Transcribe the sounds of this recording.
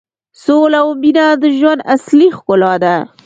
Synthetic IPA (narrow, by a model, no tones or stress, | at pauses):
solawbinad̪əʒwand̪aslixkʊlɑd̪a